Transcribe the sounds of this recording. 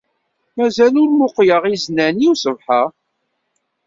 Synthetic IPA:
mæzælʊɾmʊqjəʁiznæniwsəvħə

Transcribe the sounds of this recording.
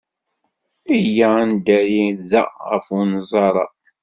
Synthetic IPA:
ijand̪æɾiðæ̰ʁə̰funzˤɑɾˤɑ̰

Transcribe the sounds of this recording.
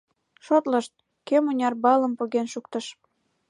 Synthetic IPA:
ʃot̪ləʃt̪̚ | kemonʲɑrbɑlə̆mpoɣenʃukt̪ə̆ʃ

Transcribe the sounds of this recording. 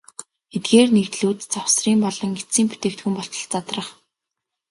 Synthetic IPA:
et̪ɡeːrnekt̪ɮuːt̪t͡sawsriːmpɔɮɞ̆ŋɡet͡siːmput̪eːkt̪xumpɔɬt̪ɞ̆ɮt͡sat̪rə̆χ

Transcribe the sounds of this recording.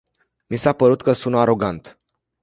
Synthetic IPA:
misapəɾut̪kəsunaɾo̞ɡant̪

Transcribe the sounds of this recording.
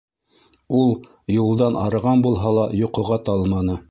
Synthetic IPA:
ulˠ | julˠd̪ɑnʔɑ̰ɾɤ̆ʁɑnbulˠɦɑlˠɑjŏqŏʁɑt̪ɑlˠmɑnɤ

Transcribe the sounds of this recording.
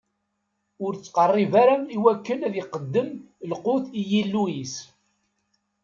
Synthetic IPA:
ʊɾt͡sːqərˤːivaɾæmiwækːənæðjiqəd̪ːəm | lqʊθijilːuis

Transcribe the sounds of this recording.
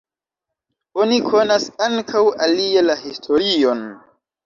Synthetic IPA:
onikʰo̞nasaŋkʰawalialahistʰoɾion

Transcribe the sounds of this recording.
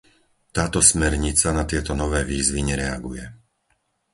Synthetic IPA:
t̪aːt̪ɔsmɛɾɲit͡sanat̪ɪɛt̪ɔnɔʋɛːʋiːzʋiɲɛɾɛaɡujɛ

